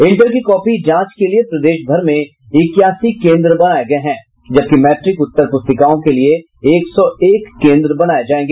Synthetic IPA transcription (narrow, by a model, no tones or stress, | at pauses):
ɪ̃ɳʈəɾkikɔːpid͡ʒãːt͡ʃkeliepɾɐd̪eːʃbʱɐɾmẽ | ɪkːjaːsikẽːnd̪ɾəbɐnaːeɡɐeɦɛ̃ː | d͡ʒɐb̚kimɛːʈɾɪkʊt̪ːəɾpʊst̪əkaːõkelie | eːksɔeːkːẽːnd̪ɾəbɐnaːed͡ʒaːẽːŋɡeː